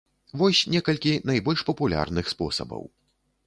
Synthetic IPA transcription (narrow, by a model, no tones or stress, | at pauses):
vɔsʲnʲɛkɐlʲkʲinɐjbɔlʲʂpɐpulʲa̰rnɨxspɔ̰sɐ̰bɐ̰w